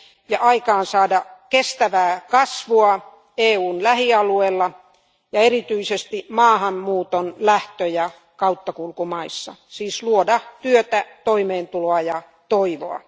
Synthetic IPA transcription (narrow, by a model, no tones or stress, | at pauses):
jɑʔɑikɑːnsɑːdɑkest̪æʋæːkɑsʋuɑ | eːuːnlæhiɑlueːlːɑ | jɑerit̪yisest̪imɑːhɑmmuːt̪onlæht̪øjɑ | kɑut̪ːɑkulkumɑisːɑ̰siːsluodɑt̪yøt̪æt̪oimeːnt̪uloɑjɑ | t̪oiʋo̰ɑ̰